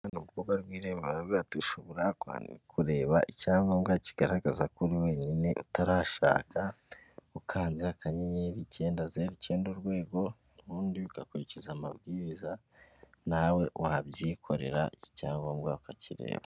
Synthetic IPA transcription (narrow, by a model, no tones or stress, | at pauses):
anuβukobɡaɾɡwiːɾeβeβaβiatuʃoβoɾakwa̰ːndikuɾe̞ːβaʔicaːŋɡamɡaci̥ɡ̥aɾaɡazakuɾiwe̞ːɲine̞ʔṵtaɾaːʃa̰ːkaukʰaːnziɾakʰaɲeɲeɾice̞ːndazeɾice̞ːnduɾɡwe̞ːɡo̞nuɾuːndiukakuɾicizamaβɡiːɾiza | nawe̞wabɟiːkʰo̞ɾe̞̰ɾa̰ʔicaːŋɡamɡakaciɾe̞̰ːβa